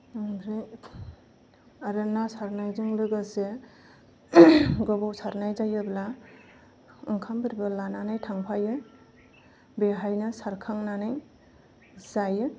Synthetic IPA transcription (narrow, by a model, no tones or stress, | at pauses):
ŋbɾɯ | aɾanːasaɾnajzɯŋlɯɡase | ɡɔbɔwsaɾnajzajɯbla | ɯŋkʰambɯɾbɯlananajtʰaŋpʰajɯ | beɦajnɯsaɾkʰaŋnanaj | zajɯ